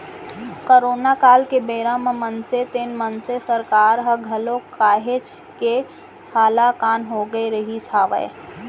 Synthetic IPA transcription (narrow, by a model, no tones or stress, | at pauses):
koːɾoːnakaːlkebəːɾaːmmənset̪enmənsesəɾkaːɾɦəɡʱɐlokaːɦet͡ʃ | ke | haːlakaːnɦoɡəeɾəɦisʰaːʋə̰e